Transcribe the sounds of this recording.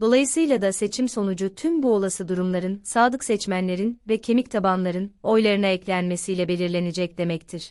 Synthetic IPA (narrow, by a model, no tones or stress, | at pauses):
d̪o̞lˠajɯsɯjlˠad̪ase̞t͡ʃʰimso̞nud͡ʒut̪ʰymbuo̞lˠasɯd̪uɾumlˠaɾɯnsaːd̪ˠɯksɛt͡ʃmænlʲe̞ɾinvɛcʰe̞mict̪ʰabanlˠaɾɯno̞jlˠaɾɯnaɛclʲænme̞sijlʲɛbe̞lʲiɾlʲe̞nid͡ʒɛc̚d̪e̞mɛct̪ʰiɾ̥